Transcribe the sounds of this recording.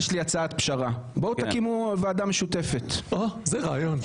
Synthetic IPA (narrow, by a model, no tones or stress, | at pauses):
ʃliat͡saat̪pʃaʁabot̪akimuvead̪ameʃut̪e̞fet̪ozeʁaːjon